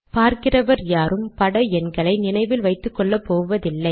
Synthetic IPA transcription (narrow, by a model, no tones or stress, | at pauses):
paːɾkɪrɐʋɐɾjaːɾɯmpɐɽɐɛnɡɐɭɐɪnɪnɐɪʋɪlʋɐɪt̪ːɯkːɔɭːɐpːoːɯʋɐðɪlːɐɪ